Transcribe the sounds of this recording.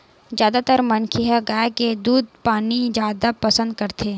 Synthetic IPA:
zjaːd̪at̪əɾmɐnkʰiɦaɡaeked̪uːd̪̚paːnid͡ʒjaːd̪apɐsə̃nd̪̚kɐɾt̪ʰeː

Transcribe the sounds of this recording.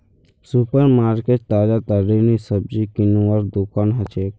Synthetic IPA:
supəɾmaːɾkeʈt̪aːd͡ʒat̪aɾinisəb̚d͡ʒikinũəɾd̪ukaːnɦət͡ʃeːk

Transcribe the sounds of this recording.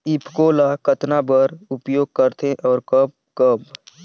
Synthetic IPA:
ɪpkoːlakət̪nabəɾʊpjoːɡ̚kəɾt̪ʰeʔɔːɾkəb̚kəb

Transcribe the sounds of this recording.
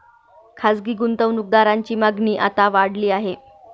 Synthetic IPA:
kʰasɡiːɡunt̪əʋnuk̚d̪aɾaɲt͡ɕiːmaɡniːʔat̪aʋaɽliːaɦe

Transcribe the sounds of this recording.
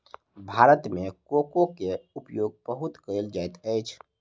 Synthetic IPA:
bʱaɾət̪mekokokeupjoɡ̚pəɦut̪kəɪld͡ʒajt̪əjt͡ʃʰ

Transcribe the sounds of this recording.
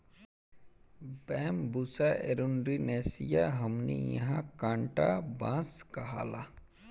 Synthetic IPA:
bɛːmbusaʔeɾunɾineːsijaɦɐmnḭjɐ̰ɦãkãːɳʈa̰bãːskɐɦa̰ːla

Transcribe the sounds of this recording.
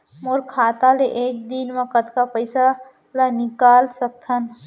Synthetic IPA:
moɾkʰat̪aleʔek̚d̪inməkət̪kapəɪsa | lənikalsək̚t̪ʰən

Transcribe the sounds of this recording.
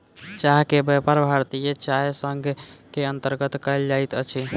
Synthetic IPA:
t͡ʃaɦkebɛpəɾbʱaɾt̪ijet͡ʃajsəŋɡʱkeənt̪əɾɡət̪kəjld͡ʒajt̪ət͡ʃʰi

